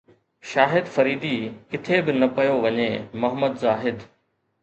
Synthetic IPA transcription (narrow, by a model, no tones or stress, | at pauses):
ʃaːɦɪd̪fɐɾiːd̪iːkɪt̪ʰebɪnɐpɐjoʋɐɲeːmɐɦəməd̪zaːɦɪd̪